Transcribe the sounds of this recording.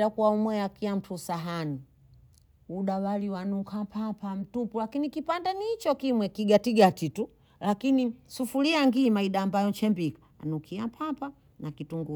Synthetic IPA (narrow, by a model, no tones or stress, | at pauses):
akuwaumwɛjakiam̩tʰusaɦani | uɗawaliwanukʰapʰapam̩tupulakinikipandanit͡ʃɔkimwɛkiɡatiɡatitu | lakinisufuliaŋɡiːmaiɗaːmbajɔt͡ʃɛmbikḁanukʰiapʰapa | nakituŋɡu